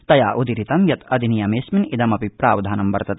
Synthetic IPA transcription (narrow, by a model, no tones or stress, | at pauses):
t̪ɐjaːʔud̪iɾit̪ɐmjɐt̪ʰɐd̪ʱinijɐmeːsminid̪ɐmɐpipɾaːʋɐd̪ʱaːnɐmʋɐɾt̪ɐt̪